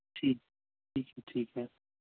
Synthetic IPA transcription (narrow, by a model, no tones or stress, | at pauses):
tʰiːkʰ | iːkʰɛtʰiːkʰɛ